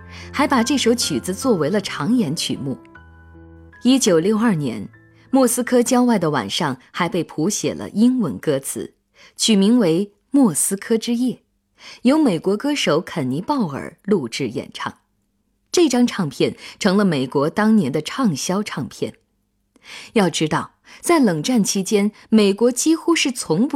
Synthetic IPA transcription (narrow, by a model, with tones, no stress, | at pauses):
xa˧˥ɪpa˨˩ʈ͡ʂɤ˥˩ʂo˧˥ʊt͡ɕʰy˨˩d͡zɹ̩˧t͡swɔ˥˩we˧˥ɪlə˧ʈ͡ʂʰɑ˧˥ŋjɛ˧˥nt͡ɕʰy̰˨˩mu˥˩ | i˥t͡ɕjo˨˩ʊljo˥˧ʊɐ˞˥˩njɛ˧˥n | mwɔ˥˩sɹ̩˥kʰɤ˥t͡ɕjɑ˥ʊwa˥˩ɪd̪ə˩wa̰˨˩nʂɑ˥˩ŋxa˧˥ɪpe˥˩ɪpʰu˧˥ɕjɛ̰˨˩lə̰˦ʔi˥ŋwə˧˥nkɤ˥t͡sʰɹ̩̰˧˩˦ | t͡ɕʰy˨˩mi˧˥ŋwe˧˥ɪ | mwɔ˥˩sɹ̩˥kʰɤ˥ʈ͡ʂɻ̩˥jɛ˥˩ | jo˧˥ʊme˨˩ɪkwɔ˧˥kɤ˥ʂo˧˥ʊkʰə˨˩nni˧˥pɑ˥˩ʊə̰˞˨˩lu˥˧ʈ͡ʂɻ̩˥˩jɛ̰˨˩nʈ͡ʂʰɑ̰˥˩ŋ | ʈ͡ʂɤ˥˩ʈ͡ʂɑ˥ŋʈ͡ʂʰɑ˥˧ŋpʰjɛ˥˩nʈ͡ʂʰɤ˧˥ŋlə˧me˨˩ɪkwɔ˧˥t̪ɑ˥ŋnjɛ˧˥nd̪ə˧ʈ͡ʂʰɑ˥˧ŋɕjɑ˥ʊʈ͡ʂʰɑ˥˧ŋpʰjɛ̰˥˩n | jɑ˥˩ʊʈ͡ʂɻ̩˥t̪ɑ˥˩ʊ | t͡sa˥˩ɪlɤ˨˩ŋʈ͡ʂa˥˩nt͡ɕʰi˥t͡ɕjɛ˥n | me˨˩ɪkwɔ˧˥t͡ɕi˥xu˥ʂɻ̩˥˩t͡sʰʊ˧˥ŋp